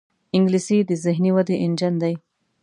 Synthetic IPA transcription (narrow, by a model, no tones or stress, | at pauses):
ɪ̃ŋɡlisid̪əzɪɦniwɐd̪eʔɪnd͡ʒɐnd̪aj